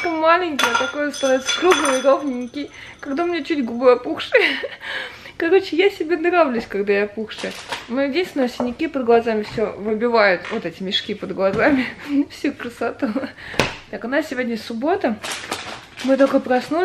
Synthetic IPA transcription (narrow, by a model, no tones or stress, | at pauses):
kəmalʲɪnʲkəjət̪ɐkojst̪ɐnavʲɪt̪sə̥kɾuɡlˠɨjɾovnʲɪnʲːɪkʲɪj | kɐɡd̪amɪnʲet͡ɕutʲɡʊbojɐpuxʂɨj | kɐɾo̞t͡ɕɪjasʲɪbʲenɾavlʲʊsʲkaɡd̪ajapuxʂɨmɨdʲinʲsʲnəʊsʲɪnʲɪkʲipəd̪̚ɡlˠɐzamʲɪfsʲovɨbʲɪvajʊt̪vot̪ɛtʲɪmʲɪʂkʲipəd̪ɡlˠɐzamʲɪfsʲukɾəsɐt̪u | t̪akʊnassʲɪvo̞dʲnʲəsʊbo̞t̪ə | mɨt̪o̞kəpɾɐsnu